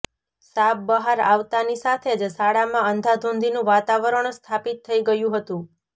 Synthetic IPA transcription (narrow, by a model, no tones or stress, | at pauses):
sab̚bəɦaɾaʋt̪anisat̪ʰed͡ʒsaɽamãənd̪ʱad̪ʱõnd̪inũʋat̪aʋəɾəɳst̪ʰapit̪ʰːəiɡəjũɦət̪ũ